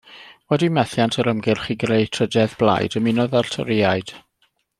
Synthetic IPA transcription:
wɛdimɛθjantʰəɾəmɡɪrχiːɡreɨtʰrədɛðblˠa̰jdəminɔðartʰɔ̰ɾijaɨd̥

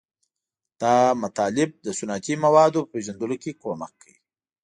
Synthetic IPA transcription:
d̪̥ɑmat̪ɑlɪb̚d̪əsʊnɑt̪imawɑd̪opəpeʒand̪əlokekoma̰kʰːawi

